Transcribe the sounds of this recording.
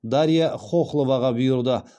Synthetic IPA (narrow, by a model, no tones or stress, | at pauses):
d̪aɾijaχoχlˠovɑʁɑbʊjʊɾd̪ə